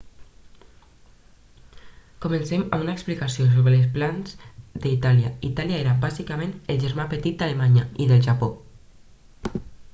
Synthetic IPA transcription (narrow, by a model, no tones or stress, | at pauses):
komənsema̰munaeksplikasios̬oβɾələsplanz̥d̪əit̪aljait̪aljaeɾambazikamẽnəlʒəɾmapət̪it̪̚d̪alemaɲaiðəlʒapo